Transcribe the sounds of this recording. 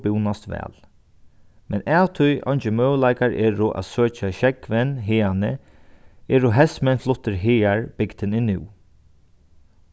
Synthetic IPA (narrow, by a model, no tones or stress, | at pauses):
bɪwnast̪ʋɛ̰ːl | mɛnaːwt̪ʰʊjɔjɲt͡ʃɪmœːwlaɪkaɹʔɛːɹʊʔa̰ðsøːt͡ʃaʃɛkʋɛnɦɪːanə | ɛːɹʊɦɛsmɛnflʊt̪ːɪɾɦɪːaɹb̥ɪkd̪ɪnɪnɪ̰w